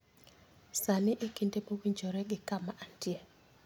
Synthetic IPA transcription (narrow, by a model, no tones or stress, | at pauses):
sanɪʔekindepowiɲd͡ʒoɾɛɡɪkamaʔantie